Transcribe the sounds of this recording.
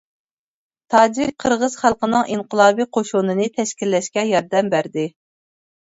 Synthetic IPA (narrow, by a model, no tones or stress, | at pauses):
t̪ʰɑːd͡ʒiɾqʰəɾʁəz̥χælˠqənɨŋʔinqʰəlˠɑːbijqʰoʃunɨnɨt̪ʰɛʃkʲilːɛʃkʲɛjɑɾd̪ɛmbæɾd̪ɪ